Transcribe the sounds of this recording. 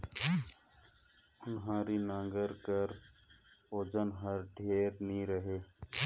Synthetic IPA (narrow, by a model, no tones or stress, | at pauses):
ʊnɦãːɾiːnãːŋɡəɾkəɾ | oːd͡ʒənɦəɾɖʱeːɾnĩɾəɦeː